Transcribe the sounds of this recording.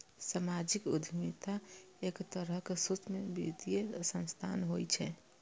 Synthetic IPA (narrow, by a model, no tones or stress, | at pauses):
səmad͡ʒikṵd̪ʱmit̪a | ekt̪əɾəkesut͡ʃmebḭt̪ijesə̃nst̪ʰanɦojt͡ʃʰɛ